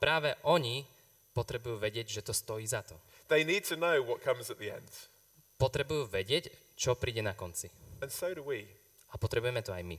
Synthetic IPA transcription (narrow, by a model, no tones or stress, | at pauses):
pɾaːʋɛʔɔɲi | pɔt̪ɾɛbujuːʋɛɟɪɛɟʒɛt̪ɔst̪ɔjiːzat̪ɔ | ðeɪniːd̚tʰənəʊwɒt̚kʰʌ̃mzəʔ̪̚ðiɛ̰̃nd̥ | pɔt̪ɾɛbujuːʋɛɟɪɛc | t͡ʃɔpɾiːɟɛnakɔnt͡siə̃nsəʊɾəwi | apɔt̪ɾɛbujɛmɛt̪ɔajmi